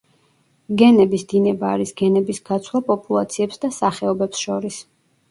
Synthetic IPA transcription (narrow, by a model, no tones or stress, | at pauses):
ɡɛnɛbisd̪inɛbaːɾisɡɛnɛbisɡat̪sʰlˠapʼɔpʼulˠa̰t̪sʰiɛpsd̪asaχɛɔbɛpsʃɔɾis